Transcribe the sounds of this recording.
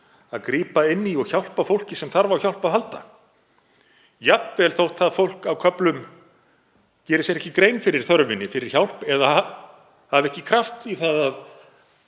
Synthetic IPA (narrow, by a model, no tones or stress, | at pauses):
aðkɾiːpaɪnːiɔɣçawl̥pafowl̥cɪsɛmθaɾvawçawl̥paðɦalt̪a̰ | japvɛlθowht̪θaðfowl̥kawkʰœplʏm | cɛːɾɪsɛɾɛhcɪkɾejnfɪɾɪɾ̥θœɾvɪnːɪfɪɾɪɾ̥çawl̥pɛða | havɛhcɪkʰɾaft̪iθaðað